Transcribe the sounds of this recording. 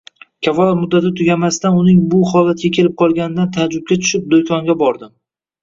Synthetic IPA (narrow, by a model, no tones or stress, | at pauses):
kʲʰafɒlˠamʊd̪ːat̪ɪt̪ʰʊɡʲamast̪anʊnɪŋbʊhɒlat̪̚ɡʲakʲʰe̞lɪp̚qʰɒlˠɡʲanɪd̪ant̪ʰad͡ʒʊb̚ɡʲat̪ʰʊ̥ʃɪp̚d̪ojkʰɒŋɡʲabɒɾd̪ɪ